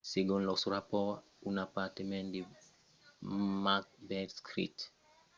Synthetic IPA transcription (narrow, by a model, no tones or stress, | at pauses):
seɡõnlɔsuɾapɔ | unapat̪emɛ̃ndi | mak̚bɛdskɾḭt